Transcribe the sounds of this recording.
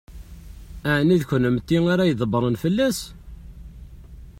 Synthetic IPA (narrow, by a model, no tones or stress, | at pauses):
æʕniðçənəmt̪ːiŋaɾajəðˤəbəɾˤənfəlːæs